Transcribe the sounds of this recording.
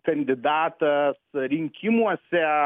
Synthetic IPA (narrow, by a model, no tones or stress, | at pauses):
kɐndid̪aːtɐsɐɾiŋkʲʰimuɐsɛa